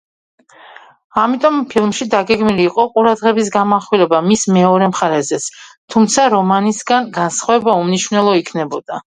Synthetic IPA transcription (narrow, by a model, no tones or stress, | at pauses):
amit̪ʼɔmpʰilˠmʃid̪aɡɛɡmiliːqʼɔqʼuɾad̪ʁɛbis̬ɡamaχwilɛbamismɛɔɾɛmχaɾɛzɛt̪sʰt̪ʰumt̪sʰaɾɔmanisɡanɡansχwaɛbaumniʃwnɛlˠɔikʰnɛbɔd̪̥a